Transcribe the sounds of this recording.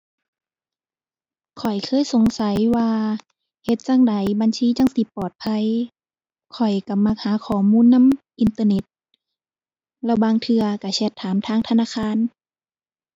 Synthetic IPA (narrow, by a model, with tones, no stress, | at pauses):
kʰɔ˨˩jkʰɤː˧˥˨jso˨˦ŋsa˨˦jwaː˧ | he˧˦t̪̚t͡ɕa˧˨ŋda˨˦jba˧˨nsiː˧˥˨t͡ɕa˧˥˨ŋsi˧˦pːɔː˨˩t̪̚pʰa˧˥˨j | kʰɔ˨˩jka˧˩ma˧˩k̚haː˨˦kʰɔː˨˩muː˧˥˨nːa˧˥˨mʔi˧nt̪ɤː˧ne˧˦t̪̚ | lɛ˧˩wbaː˧ŋt̪ʰɯ˧ɐka˧˩sɛ˧˩t̪ʰːaː˨˦mt̪ʰaː˧˥˨ŋt̪ʰa˧naː˧˥˨kʰaː˧˥˨n